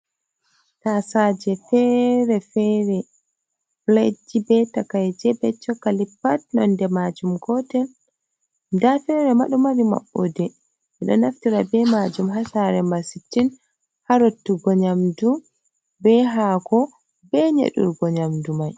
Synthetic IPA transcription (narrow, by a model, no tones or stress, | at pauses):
kasad͡ʒɛfɛɾɛfɛɾɛ | bled͡ʒibɛtakajd͡ʒɛbɛt͡ʃːɔkːalipːatnɔ̰ndɛmad͡ʒumɡɔtɛl | ndafɛɾɛmaɗumaɾima̰ɓːodɛ | ɛɗɔ̰naftiɾabɛmad͡ʒumɦasaɾɛmasitːin | haɾotːuɡɔɲamdu | bɛɦaɡɔ | bɛɲḛɗṵɾɡɔɲamdumaj